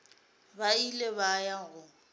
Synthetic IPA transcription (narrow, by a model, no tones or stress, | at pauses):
bailebajaɣʊ